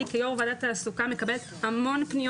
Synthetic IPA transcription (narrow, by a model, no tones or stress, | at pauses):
ikejomvadat̪aːsukame̞kabelet̪hamo̞npnij